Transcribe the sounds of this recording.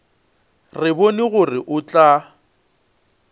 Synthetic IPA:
rɪbonɪɣʊrɪʔʊt͡ɬʼa

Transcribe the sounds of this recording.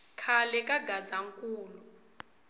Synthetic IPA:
kʰalɛkʼaɡʱad͡zaŋkʼuːlu

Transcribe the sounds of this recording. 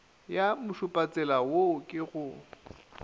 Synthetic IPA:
jamʊʃʊpʼat͡sʼɛlawokʼɪɣʊ

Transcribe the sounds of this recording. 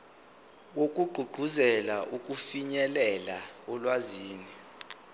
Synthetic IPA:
wok̬ʼuɡ͡ǃʱuɡ͡ǃʱuzɛlaʔukʼufiɲɛlɛlaɔlwaziːni

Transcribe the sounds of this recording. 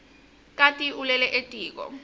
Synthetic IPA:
kʼatʼiʔulɛlɛʔetʼiːk̬ʼɔ̰

